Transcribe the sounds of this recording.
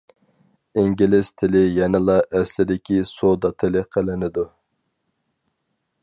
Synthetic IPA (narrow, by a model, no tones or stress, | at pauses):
iŋɡʲilɪst̪ʰɪlɪjɛnɪlˠɑʔɛslɪd̪ɪkʲisod̪ɑt̪ʰɪlɪqʰəlɪnɪd̪u